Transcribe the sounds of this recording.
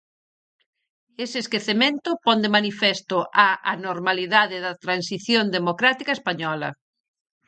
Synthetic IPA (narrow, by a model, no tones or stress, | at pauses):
esɪːskeθemẽnt̪ʊpɔnd̪emanifɛst̪ʊʔaanoɾmaliðaðɪðɐt̪ɾansiθjond̪emokɾat̪ikaespaɲɔlɐ̰